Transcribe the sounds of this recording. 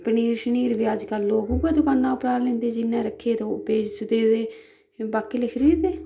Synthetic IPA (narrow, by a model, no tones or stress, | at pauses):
pəniːɾʃəniːɾʋiːəd͡ʒkəlːoːkubeːd̪ʊkaːnːãːʊpɾaːlẽːnd̪eːd͡ʒɪnːẽːɾəkʰːeːt̪ːpeːd͡ʒd̪eːd̪eː | baːkeːlɪkʰɾiːt̪eː